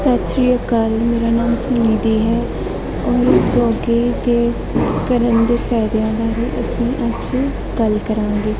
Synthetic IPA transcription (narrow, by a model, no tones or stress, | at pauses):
sət̪sɾijəkalmeːɾaːnaːmsʊniːd̪iːɦɛː | ɔːɾd͡ʒɔːɡeːt̪eː | kəɾənd̪eːfʰɛːd̪jaːɡaːɾiːʔəsĩːʔəd͡ʒseː | ɡəlkəɾãːŋɡeː